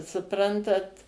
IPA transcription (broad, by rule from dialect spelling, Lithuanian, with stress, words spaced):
sʊˈprɐntɐt